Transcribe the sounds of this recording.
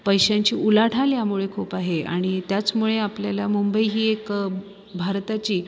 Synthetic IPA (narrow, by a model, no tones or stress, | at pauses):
pəjɕaɲt͡ɕiːʔulaʈʰaljamuɭekʰuːpaɦea̰ɽ̃it̪jat͡smuɭeapljalamumbəiɦiːek | bʱaɾt̪at͡ɕiː